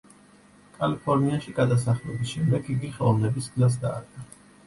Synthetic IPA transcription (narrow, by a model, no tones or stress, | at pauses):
kʼalipʰɔɾniaʃiɡad̪as̬aχlɛbisʃɛmd̪ɛɡɡiɡiχɛlˠɔlˠnɛbisɡzas̬d̪aːɾɡʼa